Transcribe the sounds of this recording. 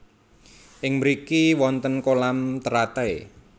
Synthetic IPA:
ʔɪŋməɾikiwɔnt̪ənkolamt̪əɾat̪ae

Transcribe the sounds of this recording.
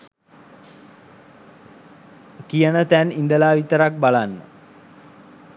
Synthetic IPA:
kijənət̪ænind̪əlaːʋit̪əɾak̚balanːə̰

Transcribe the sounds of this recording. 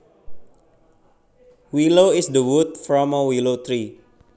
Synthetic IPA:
wiloisdəwut̪̚fɹɔ̃məwilot̪ɹi

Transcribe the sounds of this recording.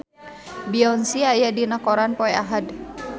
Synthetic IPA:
biɔnsiajadinakɔɾanpɔɛaɦad

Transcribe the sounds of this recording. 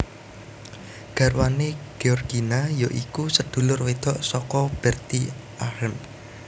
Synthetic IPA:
ɡ̥ä̤ɾwaneɡ̥eɔrɡ̥inajoʔḭkusəd̪̥ṳlʊrwed̪̥ɔʔsɔkɔb̥ɛrt̪iʔahəm

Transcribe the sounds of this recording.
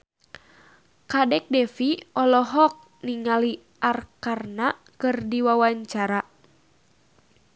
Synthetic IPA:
kadɛk̚dɛfiɔlɔɦɔk̚ | niŋali | ʔarkarna | kɨrdiwawaɲt͡ʃaɾa

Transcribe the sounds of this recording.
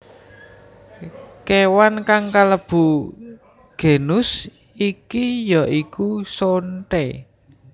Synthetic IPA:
kewankaŋkaləb̥ṳ | ɡ̥e̤nʊs | ikijɔʔikusonʈe

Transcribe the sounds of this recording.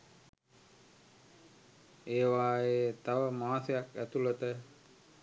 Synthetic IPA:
eːʋaːeːt̪aʋəmaːsejakæt̪ulət̪ə

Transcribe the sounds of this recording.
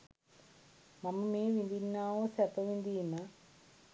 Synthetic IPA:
mɐmːumeːʋind̪inːaːoːsɐpɐʋind̪iːmɐ

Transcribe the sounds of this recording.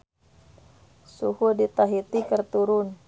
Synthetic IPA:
suhudit̪aɦit̪ikərt̪uɾʊn

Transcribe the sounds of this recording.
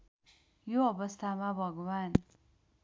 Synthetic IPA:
joʌbʌst̪ʰamabʱʌɡwan

